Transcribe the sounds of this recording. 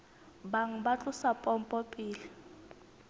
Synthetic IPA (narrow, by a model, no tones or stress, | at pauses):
baŋ̩bat͡ɬʼʊsapʼɔm̩pʼɔpʼiːli